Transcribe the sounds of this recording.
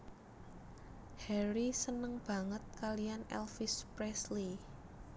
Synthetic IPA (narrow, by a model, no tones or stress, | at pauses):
hɛɾisənəŋb̥ä̤ŋət̪̚kalijanɛ̰lfispɾɛsli